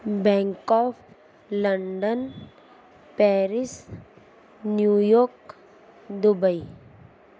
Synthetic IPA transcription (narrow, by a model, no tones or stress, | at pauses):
bɛ̃ŋkɔːpʰ | ləɳɖən | pɛːɾis | njujoːk | d̪ubəi